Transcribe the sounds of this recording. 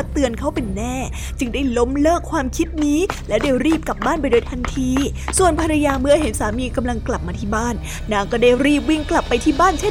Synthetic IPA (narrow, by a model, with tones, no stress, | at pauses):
t̪ɯ˧ənkʰa˦˥wpe˧nːɛː˥˩ | t͡ɕɯ˧ŋdaː˥˩jlo˦˥mlɤː˥˩kʰwaː˧mkʰi˦˥t̪̚niː˦˥lɛ˦˥wdaː˧wɾiː˥˩p̚ka˨˩p̚baː˥˩np̬a˧jdoː˧jt̪ʰa˧nt̪ʰiː˧su˨˩ənpʰa˧ɾa˧jaː˧mɯ˧˥ɐ˧he˨˩˦nsaː˩˦miː˧ka˧mla˧ŋkla˨˩p̚maː˧t̪ʰiː˥˩baː˥˩nː | aː˧˩ŋkɔː˥˩daː˥˩jɾiː˥˩p̬̚wi˧ŋkla˨˩pːa˧jt̪ʰiː˥˩baː˥˩nt͡ɕʰe˥˩